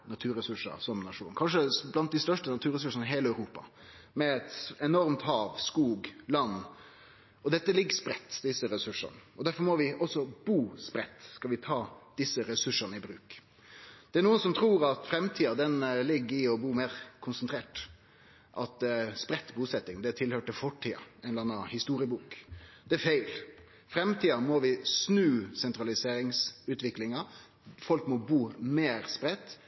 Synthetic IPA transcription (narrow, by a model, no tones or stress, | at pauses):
nɑt̪ʰʉːɾɛsʉʂə̰ɾsɔmnɑʂṵːnkʰɑnʂəblɑnt̪̚d̪ɪst̪œʂʈənɑt̪ʰʉːɾɛs̬ʉʂənəɦeːləœʉɾuːpɑ̰ | mɛɛt̪ɛnɔɾmt̪hɑːʋskuːɡlɑnː | ɔd̪ɛt̪ːəlɪɡːəspɾɛt̪ːd̪ɪsəɾɛsʉʂə̰nəɔd̪æɾfɔɾmɔʋɪʔɔsɔb̥uːspɾɛt̪ːskɑlʋɪt̪ʰɑːd̪̥ɪsːəɾɛsʉʂːəɾnəɪbɾʉ̰ːk | d̪̥ɛæɳnuːənsɔmt̪ʰɾuːɾɑt̪fɾɛmt̪ʰiːɑd̪ɛnlɪɡːəɪɔbuːmeːɾkʰʊnsənt̪ɾeːʈ | ʔɑt̪spɾɛt̪ːbuːsɛt̪ːɪŋd̪ɛæt̪ʰɪlhøːʈɪfɔʈʰːiːɑ̰ɛnɑnːɑhɪst̪uːɾɪəbuːkd̪̥ɛæfæɪl | fɾɛmt̪ʰiːɑmɔʋɪsnʉːsɛnt̪ɾɑlɪseːɾɪŋsʉːt̪ʰʋɪklɪŋɑ | fɔlkmɔbuːmeːɾspɾɛt̪ː